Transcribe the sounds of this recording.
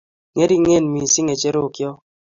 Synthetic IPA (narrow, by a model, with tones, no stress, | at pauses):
ŋe˦ɾi˦ŋe˦˨nmi˨si˦ŋe˨t͡ʃe˦ɾo˦˨kjɔ˦